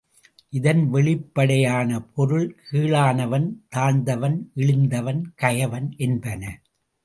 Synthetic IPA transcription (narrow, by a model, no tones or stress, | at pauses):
ʔɪðɐnʋɛɭɪpːɐɽɐjaːnɐpʰɔɾɯɭkʰiːɭaːnɐʋɐnt̪aːɳd̪ɐʋɐnʔɛɭɪnd̪ɐʋɐnkɐjɐʋɐnʔɛnbɐnɐ